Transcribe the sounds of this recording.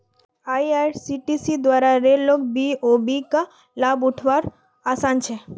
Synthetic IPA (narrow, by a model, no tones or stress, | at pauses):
ajasiʈisid̪waɾaɾeɾlokbiobika | labuʈʰʋaɾ | asant͡ʃʰe